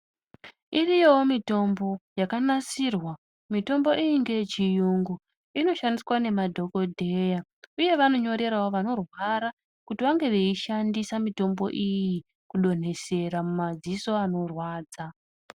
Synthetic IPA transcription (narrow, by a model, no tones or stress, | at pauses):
irijo̞womito̞mbo̞jakanasirwa | mito̞mbo̞ʔijiŋɡe̞t͡ʃijuŋɡu | ino̞ʃandiswane̞madʱo̞ko̞dʱe̞jauje̞ʋano̞ɲo̞ɾe̞ɾawoʋano̞rwaɾa | kutiʋaŋɡe̞ʋeiʃandisamito̞mbo̞̰ʔiji | kuɗo̞n̤e̞se̞ramumad͡ziso̞ano̞rwaːd͡za